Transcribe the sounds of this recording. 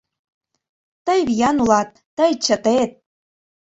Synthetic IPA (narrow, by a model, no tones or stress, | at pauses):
t̪əjβijɑnulɑt̪̚ːəjt͡ɕət̪et̪̚